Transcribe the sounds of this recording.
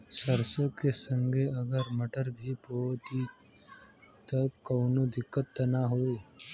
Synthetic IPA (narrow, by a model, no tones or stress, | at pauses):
səɾsõkesə̃ŋɡʱeɐɡəɾmɐʈəɾbʱipoːt̪i | t̪ɐkːɐːnod̪ɪkːət̪ːɐnaɦoeː